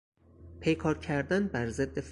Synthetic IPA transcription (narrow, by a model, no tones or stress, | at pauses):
pʰe̞jkʰɒːɾcʰæɾd̪ænbæɾzed̪ːef